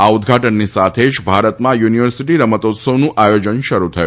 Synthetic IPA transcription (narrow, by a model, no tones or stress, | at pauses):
aud̪ʱɡʱaʈənːisat̪ʰed͡ʒbʱaɾət̪mãjuniʋəɾsiʈiɾəmət̪ot̪səʋnũʔajod͡ʒənʃəɾut̪ʰəjṵ